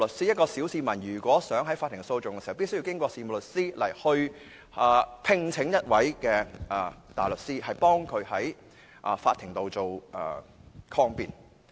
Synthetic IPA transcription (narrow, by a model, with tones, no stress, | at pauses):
lɵ˨k̚siː˥jɐ˥tkɔː˧siː˨˥wsiː˧mɐ˨˩njyː˨˩kʷɔː˨˥sœː˨˥ŋɦɐ˨˥jfaː˧t̪̚ʰːɪ˨˩so˧wt͡ʃʊ˨ŋkɛ˧si˨hwpiː˥sɵ˥ji˧wkɪ˥ŋkʷɔː˧siː˧˩m˨˩lɵ˨t̚siː˥lɐ˨˩jhɵ˧ɥ | ɐ˨˧pʰɪ˧ŋt͡sʰɪ˨˥ŋjɐ˥t̚wɐ˨˥jkɛː˧ɐ˨t̪a̰ː˨˩lɵ˨k̚siː˥ɦɐ˨jpɔː˥ŋkʰɵ˨˧ɥhɐ˨˥j | ʔɐ̰ː˨˩faː˧t̪ʰɪ˨˩ŋt̪o˨wt͡so˨wʔɐ̰ː˨˩kʰɔː˧ŋpiː˨n